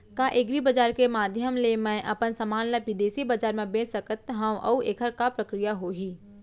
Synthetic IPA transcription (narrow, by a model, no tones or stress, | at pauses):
kaʔeɡɾibəd͡ʒaːɾkemaːd̪ʱjəmlemɛ̃ʔɐpənsəmaːnləʋɪd̪eːsibəd͡ʒaːɾmẽbẽːsəkət̪ɦɐ̃ʋʔɐ̰uʔeːkʰəɾkapɾəkɾijaɦoɦiː